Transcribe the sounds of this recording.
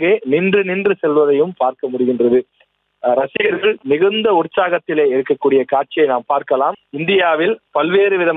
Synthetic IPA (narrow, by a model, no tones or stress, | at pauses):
ɣeːnɪndrɯnɪndrɯsɛlʋɐðɐjɯmpaːɾkɐmʊɽɪɣɪndrɐðɯ | ɾɐsɪɣɐɾɣɐɭnɪɣɯnd̪ɐʊɾt͡ʃːaːɣɐt̪ːɪleːɪɾɯkːɐkːuːɽɪjɐkaːʈ̚t͡ʃɪjɐɪnaːmpaːɾkɐlaːmɪnd̪ɪjaːʋɪlpɐlʋeːɾɯʋɪðɐm